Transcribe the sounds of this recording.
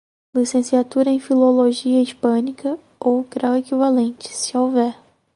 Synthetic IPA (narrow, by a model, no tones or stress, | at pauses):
lisẽsiat̪uɾɐẽj̃filoloʒiɐipɐ̃nikɐ | owɡɾawekivalẽnt͡ʃɪ̥sɪowvɛɾ